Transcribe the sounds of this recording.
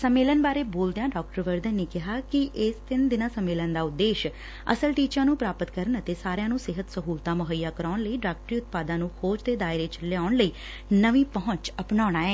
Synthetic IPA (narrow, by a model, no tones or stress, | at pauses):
səmːeːlənbaːɾeːboːld̪ejãːɖaːk̚ʈəɾʋəɾd̪ənːeːkɪɦaːkɪʔɪst̪ɪnd̪ɪnaːsəmːeːlənd̪aːʊd̪ːeːʃ | ə̰səlʈiːt͡ʃãːnũːpɾaːpət̪kəɾənət̪eːsaːɾjãːnũːsɪɦət̪səɦuːlt̪ãːməɦəijːaːkəɾaːɳləiːɖaːk̚ʈɾiːʊt̪̚paːd̪ãːnũːhʰoːd͡ʒt̪eːd̪aːɪɾeːt͡ʃəleaːʊɳləiː | nəʋĩːpəɦʊ̃t͡ʃəpɳaːɽ̃aːɛː